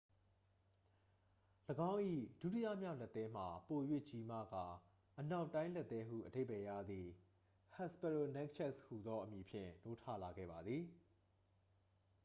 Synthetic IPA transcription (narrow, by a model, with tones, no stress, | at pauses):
ləɡã˦ʊ̃ʔḭ˦˨d̥ṵ˦˨ti˦jä̰˦˨mja˦ʊ̃lɛ˦t̪ːɛ̃˦m̥a˨po˨jwḛ˦˨t͡ɕi˨ma̰˦˨ɡa˨ | ʔəna˦ʊtːã˦ɪ̃lɛ˦˨t̪ːɛ˦ɦṵ˦˨ʔəde˦ɪ˨bɛ˨jä̰˦˨d̪ði˨ | ha˦˨spɛ˨ɹo˨nɛ̃˦k̚t͡ɕʰɛ˦kshu˨d̪ɔ˦ʔəmji˨pʰjɪ̰̃˦˨no˦tʰä̰˦˨la˨ɡɛ̰˦˨ba˨d̪ði˨